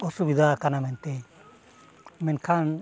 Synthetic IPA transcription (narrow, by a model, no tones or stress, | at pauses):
ɓɔsubid̪akanamɛnt̪ɛ | mɛnkʰan